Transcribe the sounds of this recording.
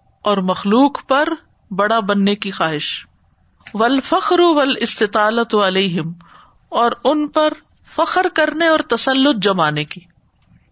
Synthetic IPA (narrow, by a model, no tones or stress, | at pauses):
ɔːɾmɐxluːqpɐɾ | bɐɽabɐnːekixaːɦɪʃ | ʋɐlfɐxɾʊʋɐlɪst̪ɪt̪aːlɐt̪ɐleːɦɪm | ɔːɾʊnpɐɾ | fɐxɾkɐɾneɔːɾt̪ɐsɐlːʊt̪̚d͡ʒɐmaːnekiː